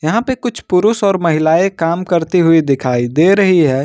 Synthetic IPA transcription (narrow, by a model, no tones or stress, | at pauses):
jɐɦãpekʊt͡ʃʰpʊɾʊsɔːɾmɐɦɪlaːekaːmkɐɾt̪iɦʊid̪ɪkʰaːid̪eɾɐɦiɦɛː